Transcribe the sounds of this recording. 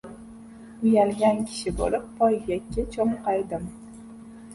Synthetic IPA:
ʊjalɡʲankʲʰɪ̥ʃɪbo̰lɪpːʰɒjɡjʲakʲːɪt͡ʃʰoɴqɑjd̪ɪm

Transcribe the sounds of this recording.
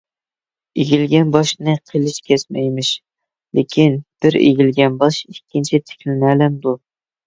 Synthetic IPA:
eɡʲilɡʲɛnbɑʃnɨqʰelˠɪʃkʲʰɛsmɛjmɪʃ | lekʲʰinb̥ɪɾḛɡʲilɡʲɛnbɑʃikʲːint͡ʃʰɪt̪ʰɪ̥kʲlɪnælɪmd̪ʊ

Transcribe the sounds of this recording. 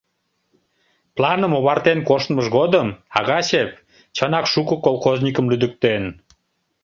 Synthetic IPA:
plɑnəmoβɑrt̪enkoʃt̪məʒɣod̪əmɑɣɑɕep̚ | t͡ɕənɑkʃukəkolˠxoznʲikəmlyd̪ək̚t̪en

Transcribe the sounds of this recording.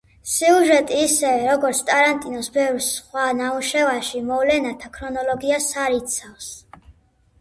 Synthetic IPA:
siuʒɛt̪ʼiːsɛɾɔɡɔɾt̪sʰt̪ʼaɾant̪ʼinɔsbɛvɾsχwanauʃɛvaʃimɔvlɛnat̪ʰakʰɾɔnɔlɔɡiasaɾit̪sʰafs

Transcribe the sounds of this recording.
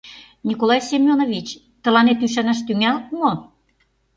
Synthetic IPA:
nʲikolɑjsʲemʲjonovit͡ɕ | t̪ə̆lɑnet̪yʃænæʃ̬t̪yŋælmo

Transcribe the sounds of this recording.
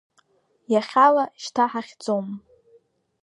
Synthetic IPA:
jaχʲalaʃtʰaħaχʲd͡zom

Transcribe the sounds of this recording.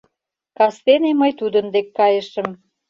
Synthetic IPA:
kɑst̪eneməjt̪ud̪ə̆nd̪ekːɑjəʃə̆m

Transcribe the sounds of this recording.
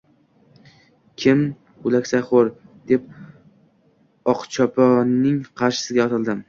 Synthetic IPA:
kʲʰɪm | ʊlakʲsaχoɾd̪̥ep̚ | ɒqt͡ʃʰɒpʰɒnːɪŋqʰɑɾʃɪ̥sɪɡʲaɒt̪ʰɪlˠd̪ɪm

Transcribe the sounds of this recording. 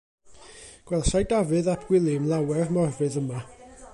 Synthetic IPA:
ɡ̥wɛlˠsajdavɨðapʰɡ̥wɪlˠɪmlˠawɛrmɔrvɨðəma

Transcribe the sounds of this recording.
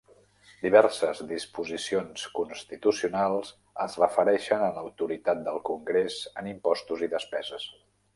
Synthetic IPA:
d̪iβ̞ɛɾsəzðispuzisionskunst̪it̪usiunalˠz | əzrəfəɾɛʃənələwt̪uɾit̪at̪̚d̪əlˠkuŋɡɾezənimpɔst̪uziðəspɛzəs

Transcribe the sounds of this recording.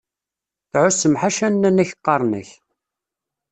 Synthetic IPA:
θʕʊsːəmħaʃænːænːæçəqːɑɾˤnə̰ç

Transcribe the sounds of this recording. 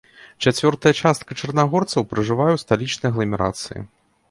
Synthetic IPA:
t͡ʂat͡sʲvʲɔrt̪ɐjɐt͡ʂast̪̚kɐt͡ʂɐrnaɣɔrt̪sɐwpɾɨʐɨvajɛwst̪alʲit͡ʂnɨjɐɣlˠɐmʲɛɾa̰t̪sɨjḭ

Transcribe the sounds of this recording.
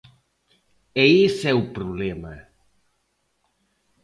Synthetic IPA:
eisɛupɾuβlɛmɐ

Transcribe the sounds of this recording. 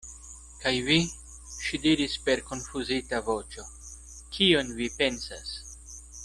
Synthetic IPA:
kajvi | ʃidiɾispe̞ɾko̞nfuzitavo̞t͡ʃo̞ | kʰio̞nvipe̞nsa̰s

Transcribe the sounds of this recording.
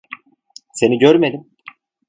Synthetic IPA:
se̞niɟøɾme̞d̪im

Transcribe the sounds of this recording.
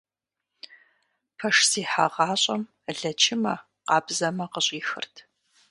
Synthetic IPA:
pʰɐʂsiːħa̰ʁɑːɕʼɐm | ɮɐt͡ʃʰɪmɐ | qɑːbzɐmɐqəɕʼiːxɨ̰rtʰ

